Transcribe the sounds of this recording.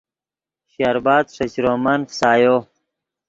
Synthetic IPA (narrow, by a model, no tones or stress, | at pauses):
ɕaɾbaːd̪ʂɐt͡ɕɾoːmɐnfsaːjoː